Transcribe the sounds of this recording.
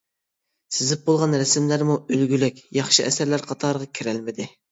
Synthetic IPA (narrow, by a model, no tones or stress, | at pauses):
sɪzɪp̚bolˠʁɑnɾɛsɪmlæɾmuølɡʲylɪkʲjɑχʃɨɛsæɾlæɾqʰɑt̪ʰɑɾʁɑkʲʰiɾælmɪd̪ɪ